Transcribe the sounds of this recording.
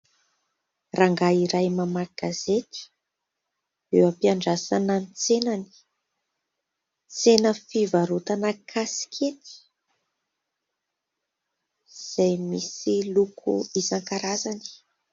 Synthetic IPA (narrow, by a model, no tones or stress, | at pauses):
raŋɡaiɾajmamaɡ̥azet̪i̥ | ewapiaɳɖ͡ʐasananit͡senani̥ | t͡senəfivaɾut̪anəkʰasi̥kʰet̪i̥ | z̥ajmisilukʰṵizaŋkaɾazani̥